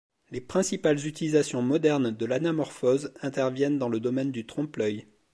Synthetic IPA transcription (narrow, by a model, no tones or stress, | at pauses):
lepχɛ̃sipalzyt̪ilizasjɔ̃mɔd̪ɛʁnd̪əlanamɔʁfɔzɛ̃t̪ɛʁvjɛnd̪ɑ̃ləd̪ɔmɛnd̪yt̪χɔ̃plœj